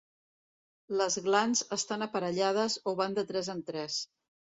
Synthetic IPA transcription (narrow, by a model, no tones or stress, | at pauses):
ləzɣlanzəst̪anəpəɾəʎað̞əzoβand̪ət̪ɾɛzənt̪ɾɛs